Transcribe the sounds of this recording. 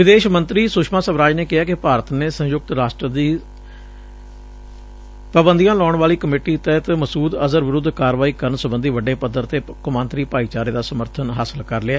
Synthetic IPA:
ʋɪd̪eːʃmənt̪ɾiːsʊʃmaːsəbɾaːd͡ʒneːkɪɦaːkɪpaːɾət̪neːsə̃jʊk̚t̪ɾaːsʈɾəd̪iː | pəbənd̪ijãːlɔːɳʋaːliːkəmeːʈiːt̪ɛːt̪məsuːd̪əzəɾʋɪɾʊd̪ʱkaːɾʋaːiːkəɾɳsəbənd̪iːʋəɖeːpəd̪əɾt̪eːkʊmãːnt̪ɾiːpaːiːt͡ʃaːɾeːd̪aːsəməɾt̪ʰənɦaːsəlkəɾlɪaː

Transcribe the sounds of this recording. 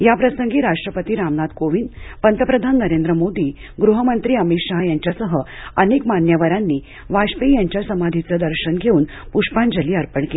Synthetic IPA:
japɾəsəŋɡiːɾaʂʈɾəpət̪iːɾamnad̪koʋiːnpənt̪əpɾəd̪ʱanːəɾend̪ɾəmod̪iː | ɡɾuɦəmənt̪ɾiːəmit̪ɕaɦjaɲt͡ɕjasəɦəənekmanjəʋəɾanːiː | ʋaɕpejaɲt͡ɕjasəmad̪ʱit͡səd̪əɾɕənɡʱeuːn | puʂpãnd͡ʑəliːaɾpəɳke

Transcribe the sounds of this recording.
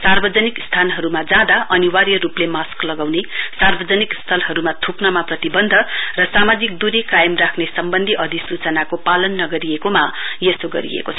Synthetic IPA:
sarbʌd͡zʌnikst̪ʰanɦʌɾumad͡zãd̪aʔʌniwarjʌruplemasklʌɡawnesarbʌd͡zʌnikst̪ʰʌlɦʌɾumat̪ʰupnʌmaprʌt̪ibʌnd̪ʱʌrʌsamad͡zik̚d̪uɾikajʌmrakʰnesʌmbʌnd̪ʱiʔʌd̪ʱisut͡sʌnakopalʌnːʌɡʌɾijekomajʌsoɡʌ̰ɾḭḛkot͡sʰʌ

